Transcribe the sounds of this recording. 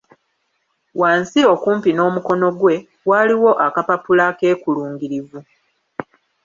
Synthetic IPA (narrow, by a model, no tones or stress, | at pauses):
waːnsio̞kuːmpino̞ːmuko̞no̞ɡwe̞ | waːliwo̞ʔakapapulake̞ːkuluːŋɡiɾivu